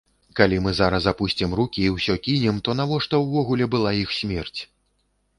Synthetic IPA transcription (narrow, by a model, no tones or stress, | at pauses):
kalʲimɨzaɾɐs̬apusʲt͡sʲimrukʲiːwsʲɔkʲinʲɛmt̪ɔnavɔʂt̪ɔwːɔɣulʲɛbɨlˠaixsʲmʲɛrt͡sʲ